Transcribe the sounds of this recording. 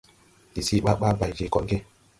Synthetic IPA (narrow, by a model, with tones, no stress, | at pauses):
i˨si˦ɓa˦ɓa˦ba˨d͡ʒe˨kɔ̰˨nɡe˦